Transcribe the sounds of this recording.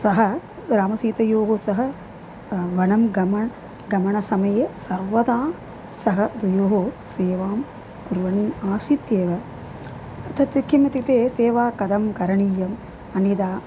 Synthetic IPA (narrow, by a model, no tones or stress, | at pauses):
sɐɦɐ | ɾaːmɐsiːt̪ɐjoːɦosɐɦɐ | ʋɐɳɐmɡɐmɐ | ɡɐmɐɳɐsɐmɐjɐsɐɾʋɐd̪aː | sɐɦɐd̪ujoːɦo | seːʋaːm | kuɾʋɐnaːsit̪eːʋɐ | t̪ɐt̪ikːimɐt̪it̪eːseːʋaːkɐd̪ɐmkɐɾɐɳijɐm | ɐnid̪aː